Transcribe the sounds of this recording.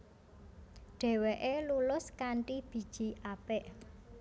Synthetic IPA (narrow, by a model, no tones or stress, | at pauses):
ɖ̥ɛ̤weʔelulʊskaɳʈib̥i̤d̥ʒ̥i̤ʔapɪʔ